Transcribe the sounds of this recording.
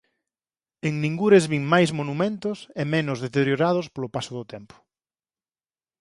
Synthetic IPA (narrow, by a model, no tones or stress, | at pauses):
eŋnĩŋɡuɾezβiŋmajzmonumẽnt̪ʊsemẽnʊzðet̪eɾjoɾað̞ʊspolʊpasʊðʊt̪ɛmpʊ̥